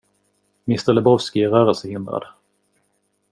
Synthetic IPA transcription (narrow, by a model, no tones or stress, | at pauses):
mɪst̪əɾlɛbɔvskɪæɾœːɾɛlsəhɪnd̪ɾa̰d̪